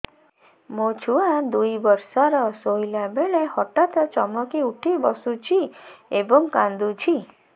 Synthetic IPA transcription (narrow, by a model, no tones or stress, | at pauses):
mot͡ʃʰuad̪ujbɔɾsɔɾɔsojlabeɭehɔʈat̪ɔt͡ʃɔmɔkiuʈʰibɔsut͡ʃʰiebɔŋkand̪ut͡ʃʰi